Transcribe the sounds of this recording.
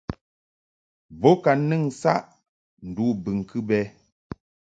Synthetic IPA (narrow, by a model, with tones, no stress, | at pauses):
bɔ˨˦ka˨nɨ˦˨ŋsa̰˦ʔ | n̩˨du˨˦bɨ˨ŋ˨kʰɨ˦bɛ˦